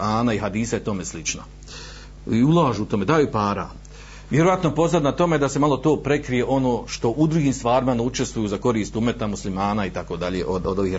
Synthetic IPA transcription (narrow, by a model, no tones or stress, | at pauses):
aːnaiɦad̪iːsaje̞t̪o̞me̞slit͡ʃna | iulˠaːʒuut̪o̞me̞d̪aːjupaːɾa̰ | ʋjeɾoat̪nopo̞znad̪nat̪o̞me̞d̪ase̞malˠo̞t̪o̞ːpɾe̞kɾije̞ʔo̞no̞ːʃt̪o̞ʔud̪ɾuɡiːmst̪ʋaːɾimaneut͡ʃe̞st̪ʋujuːzako̞ɾiːst̪ume̞t̪amuslimaːnaːit̪ako̞ːd̪aʎeːʔod̪od̪o̞ʋiːh